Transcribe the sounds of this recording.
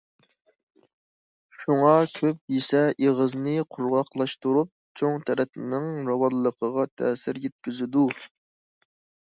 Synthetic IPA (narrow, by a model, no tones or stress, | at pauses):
ʃuŋɑkʲʰøp̚jesɛʔeʁəznɨqʰʊɾʁɑqlˠɑʃt̪uɾup̚t͡ʃʰoŋt̪ʰɛɾɛt̪ɪnɪŋɾɑwɑnlːəqʰəʁɑt̪ʰɛːsɪɾjɛt̪̚kʲyzɪd̪u